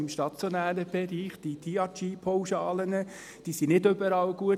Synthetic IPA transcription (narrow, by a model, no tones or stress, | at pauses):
ɪmʃtɑt͡sjonæːɾəb̥ɛɾiːχd̥id̥iɑt͡ʃiːpʰɔwʃɑːlənə | d̥iːsinɪdʏbəɾɑwɡuə